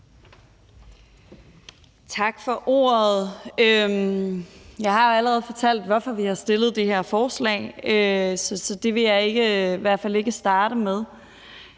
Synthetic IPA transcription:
t͡sʰɑ̈ɡ̥fɒ̽ʔo̝̰ːɐð̩ˠøm | jɑ̈ɪɦɑ̈joæləʁɛð̩ˠfɒ̽t͡sʰæl̰d̥ʋɒfɒ̽ʋihɑ̈sd̥e̝ləð̞̩ˠd̥eheɐ̰fɒːslɛ̰ːɪøsɒ̽sɒ̽d̥e̝ʋe̝jɑ̈ɪe̝ɡ̥əʋæɐ̥fæl̰e̝ɡ̥əsd̥ɑ̈ːɾ̥əmeð̞ˠ

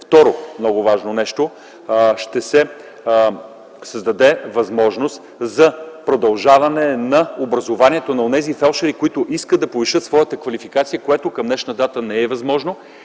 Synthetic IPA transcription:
ft̪ɔɾomnɔɡʊvaʒnonɛʃt̪o | ʃt̪ɛsɛ | sɐzd̪ɐd̪ɛvɐzmɔʒnost̪ | zɐpɾod̪ɐlˠʒavɐnɛnɐobɾɐzovaniɛt̪onɐonɛzifɛlˠʃɐɾikoit̪ʊʔiskəd̪d̪ɐpoviʃɤət̪svɔjət̪əkvɐlifikat̪sijəkoɛt̪ʊkɐmnɛʃnəd̪at̪ənɛɛvɐzmɔʒno

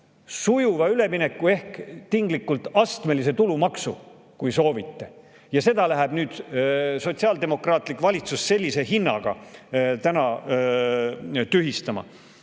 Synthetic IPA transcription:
sujuvɑyle̞mine̞kːˑue̞hkt̪iŋɡlikːˑult̪ɑst̪me̞lise̞t̪ulumɑksṵ | kujso̞ːvit̪ːe̞ | jɑse̞d̪̥ɑlæɦæb̥nyːd̪̥so̞t̪siɑld̪e̞mo̞krɑːt̪ˑlikːˑvɑlʲit̪susːe̞lʲːise̞ɦinːɑ̰ɡ̥ɑ̰t̪ænɑ | t̪yɦist̪ɑmɑ̰

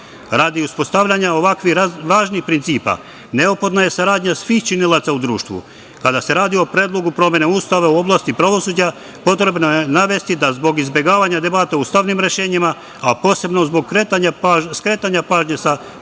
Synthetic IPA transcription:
ɾaːd̪iuspo̞st̪aʋʎʲaɲaoʋakʋiʋaːʒnixpɾint̪siːpa̰ | ne̞opo̞d̪naje̞saɾaːd̪ɲasʋiːxt͡ʃinilˠat̪saud̪ɾuːʃt̪ʋṵ | kad̪ase̞ɾaːd̪io̞pɾeːd̪lˠo̞ɡupɾo̞mjeneuːst̪aʋeuo̞blˠaːst̪ipɾaʋo̞suːd͡ʑa | po̞t̪ɾe̞bnojenaʋe̞st̪id̪azbo̞ɡizbje̞ɡaːʋaɲad̪e̞bat̪aust̪aʋnimɾe̞ʃe̞ːɲima | apo̞ːse̞bno̞zboɡ̚kɾet̪aɲaskɾeːt̪aɲapaːʒɲesa

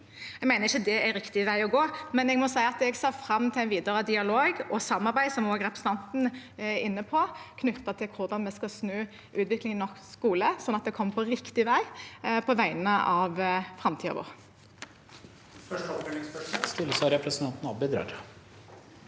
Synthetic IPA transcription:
ɛɡmæɪnəʁɪçːəd̪ɛæɾɪkt̪ɪʋæɪɔɡoːmɛnɛɡmɔsæɪɑt̪ɛɡsɑːfʁɑmːt̪ʰɪlæɪnʋiːd̪əʁəd̪ɪɑloːɡɔsɑmːɑʁbæɪsɔmoːɡɾɛpɾəsn̩ʰɑnt̪n̩ɪnːəpʰɔkʰnʉt̪ːɑt̪ʰɪlkʰʊʁd̪ɑnmɛskɑsnøː | ʔʉːt̪ʋɪklɪŋnɔkskuːləsɔnːɑt̪̚d̪ɛkʰɔmːpʰɔɾɪkt̪ɪʋæɪpʰɔʋæɪnnəʔɑʋfɾɑmt̪ʰiːɑ̰ʋo̰ːʁ | fœʂʈəɔpd̪elɪŋspœʂst̪ɪləsɑɾɛpɾɛsənt̪ʰɑnt̪n̩ɑbɪd̪ɾɑ̰ːɾ

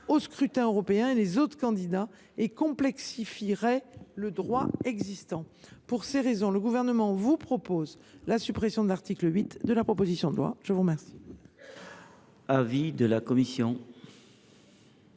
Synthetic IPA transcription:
oskχyt̪ɛ̃øʁɔpeɛ̃elezot̪χkɑ̃d̪id̪a | ekɔ̃plɛksifiʁɛləd̪ʁwaɛɡzist̪ɑ̃ | puʁseʁezɔ̃ləɡuvɛʁnəmɑ̃vupχɔpoz | lasypχesjɔ̃d̪əlaʁt̪ikləɥit̪d̪əlapχɔpozisjɔ̃d̪əlwa̰ʒ̥əvuʁəmɛʁsi̥ | avid̪əlakɔmisjɔ̃

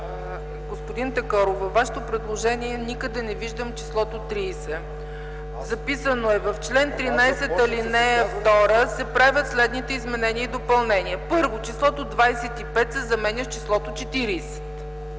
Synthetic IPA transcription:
ɡospʊd̪int̪ɐkɔɾovɐvːaʃɛ̥t̪opɾɛd̪lˠoʒɛniɛnikəd̪ɛnɛviʒd̪əmt͡ʃi̥slˠɔt̪ot̪ɾiːsɛ | zɐpisənoɛvɐft͡ʃlɛnt̪ɾinajsɛt̪ɐlinɛft̪ɔɾəsɛpɾavʲət̪slɛd̪nit̪ɛizmɛnɛniəid̪opɐlˠnɛniəpɤɾvot͡ʃislˠɔt̪od̪vajsɛt̪ipɛt̪sɛzɐmɛnʲɐft͡ʃislˠɔt̪ot͡ʃɛt̪iɾiːsɛ̥t̪

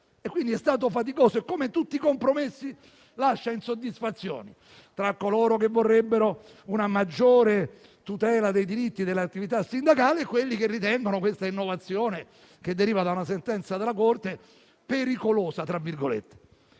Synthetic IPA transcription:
ekːwind̪iɛst̪aːt̪̬ofat̪̬ikoːsoekːomet̪ut̪ːikompɾomesːi | laʃːainsod̪ːisfat̪sːjo̰ːni | t̪ɾakːoloːɾokevːorːebːeɾo | unamad͡ʒːoːɾe | t̪ut̪ɛːlad̪ejd̪iɾit̪ːid̪elːat̪ːivit̪asːind̪akaːleːkːwelːikerːit̪ɛŋɡonokwest̪ainːovat̪sːjoːne | k̟ed̪ːeɾiːvad̪aunasent̪ɛnt̪sad̪elːakort̪e | peɾikoloːsat̪ɾavːirɡolḛt̪ːe̥

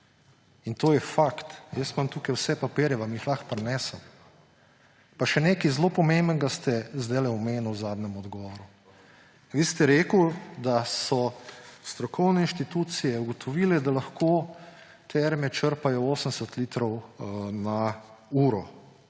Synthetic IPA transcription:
int̪oːjɛfakt̪jəsmamt̪uːkajwsɛpapeːɾjɛʋamjixlaxpɾɛnɛːsəm | paʃɛneːkizloːpɔmembənɡast̪ɛzd̪alɛɔmeːnuwzaːd̪nɛmɔd̪ɡɔʋɔɾu | ʋist̪ɛɾeːkəwd̪asɔst̪ɾɔkʰɔwnɛinʃt̪it̪uːt̪sijɛuɡɔt̪ʰɔʋilɛd̪alaxko | t̪ʰɛɾmɛt͡ʃəɾpajɔoːsəmsət̪lit̪ɾɔwnauːɾɔ

